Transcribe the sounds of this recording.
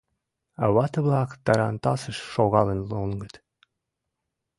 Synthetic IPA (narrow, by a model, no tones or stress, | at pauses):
ɑ̰wɑt̪əβlˠɑkt̪ɑɾɑnt̪ɑsəʃʃoɣɑlˠənlˠoŋɡət̪